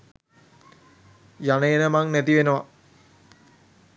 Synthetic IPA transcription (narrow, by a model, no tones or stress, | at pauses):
janəjenəmaŋnæt̪iʋenəʋa̰